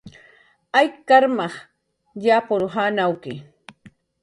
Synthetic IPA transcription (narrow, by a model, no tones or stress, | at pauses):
ajkaɾmɑχ | japʊɾɦaːnawkɪ